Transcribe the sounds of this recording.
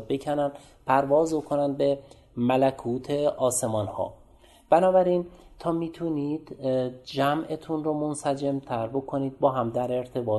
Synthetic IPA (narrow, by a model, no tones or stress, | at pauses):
becʰænænd̪ | pʰæɾvɒːzbokʰonænd̪̚be | mælækʰuːt̪ʰeʔɒːse̞mɒːnhɒ̰ː | b̥ænɒːbæɾint̪ʰɒːmiːt̪ʰuniːd̪̥d͡ʒæmʔe̞t̪ʰunɾomonsæd͡ʒemt̪ʰæɾbo̞kʰo̞niːd̪̚bɒːɦæmd̪æɾe̞ɾt̪ʰe̞bɒː